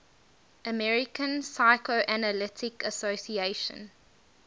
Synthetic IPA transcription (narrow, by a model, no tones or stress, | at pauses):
ʔəmɛɹɪkə̃nsaɪkoʔænəlɪtʰɪkəsosieɪʃə̰̃n